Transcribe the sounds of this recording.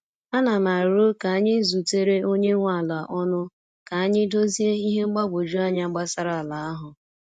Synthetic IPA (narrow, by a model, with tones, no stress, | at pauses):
a˦na˨ma˨ɾo˦ka˨a˦ɲɪ˦zu˨te˦ɾe˦ʔo˦ɲe˦ŋʷa˦˨la˨ʔɔ˦nʊ˦ | ka˨a˦ɲɪ˦do˦zi˦e˦i˦ɦe˦ŋ͡m̩˦ɡ͡ba˦ɡʷo˨d͡ʒu˦a˦ɲa˦ŋ͡m̩˦ɡ͡ba˦sa˦ɾa˨la˨˦a˦ɦʊ˨